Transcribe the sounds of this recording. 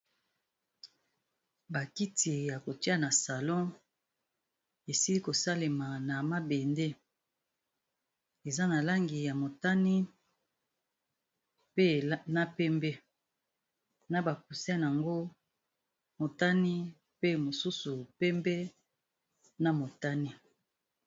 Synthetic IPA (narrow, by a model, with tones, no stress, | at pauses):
ba˨ki˦ti˨ja˨ko˨ti˦a˦na˨sa˨lɔ̃˦ | e˨si˦li˦ko˨sa˦le˨ma˨na˨ma˦be˨nde˦ | e˨za˦na˨la˦ŋɡi˨ja˨mo˨ta˦ni˦ | pe˦˨˦na˦pɛ˦mbɛ˦ | na˦ba˨k̚u˨si˦a˦n˨a˨ŋɡo˦ | mo˨ta˦ni˦ | pe˦mo˨su˦su˨pɛ˦mbɛ˦ | na˨mo˨ta˦ni˦